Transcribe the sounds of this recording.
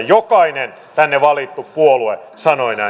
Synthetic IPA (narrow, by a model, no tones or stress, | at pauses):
jokɑinen | t̪ænːeʋɑlit̪ːuppuolue | sɑnoinɑ